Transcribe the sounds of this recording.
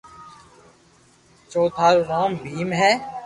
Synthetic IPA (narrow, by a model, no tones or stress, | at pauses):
t͡ʃoːt̪ʰaːlʋaːmbʱiːmɦɛː